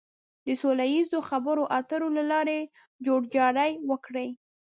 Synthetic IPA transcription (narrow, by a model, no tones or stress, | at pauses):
d̪əsolajizoxabəɾoʔat̪əɾolalɑɾe | d͡ʒoɽd͡ʒɑɽajwəkɽəj